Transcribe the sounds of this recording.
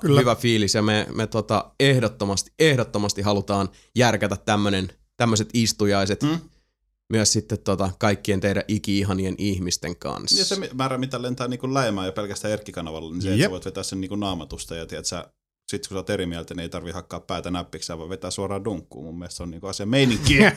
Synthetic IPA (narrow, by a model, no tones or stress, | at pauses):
khyʋæfiːlisjɑmemet̪ot̪ɑehdot̪ːomɑst̪i̥ʔehdot̪ːomɑst̪iɦɑlut̪ɑːn | jærkæt̪æt̪tæmːønen | t̪æmːøset̪ist̪ujɑiset̪ː | myøssit̪ːet̪tot̪ɑkɑikːient̪eiɾæʔikiiɦɑnienʔihmist̪eŋkɑ̰nsɑsemimæːɾæmit̪ælent̪æːniːŋkullæemæːjɑpelkæst̪æːerkːikɑnɑʋɑlːeniseeæʋoit̪ʋet̪æːsseniːŋkunnɑːmɑt̪ust̪ɑjɑt̪iæt̪sæ | sit̪kusɑːt̪erimiælt̪ænieit̪ɑrʋihɑkːɑːppæˑːt̪ænæpːiksæːʋɑʋʋet̪æːsuɑrɑːduŋkːṵːmumːieˑst̪seoniːkuɑsiɑmeiniŋkkːiː